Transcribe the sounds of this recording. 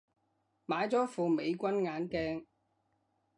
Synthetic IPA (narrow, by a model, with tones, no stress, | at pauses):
maː˨˧˥jt͡sɔː˨˥fuː˨me˨˧jkʷɐ˥nŋaː˨˥nkɛː˥ŋ